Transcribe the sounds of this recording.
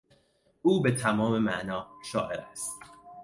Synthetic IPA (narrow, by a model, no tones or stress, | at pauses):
uːbet̪ʰæmɒːmemæʔnɒːʃɒːʔeɾæst̪